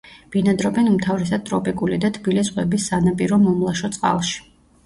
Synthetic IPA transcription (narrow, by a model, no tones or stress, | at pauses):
b̥inad̪ɾɔbɛnumt̪ʰavɾɛsad̪̚t̪ʼɾɔpʼikʼulid̪at̪ʰb̥ilisʁwɛbisːanapʼiɾɔmɔmlˠaʃɔt̪sʼqʼa̰lˠʃi̥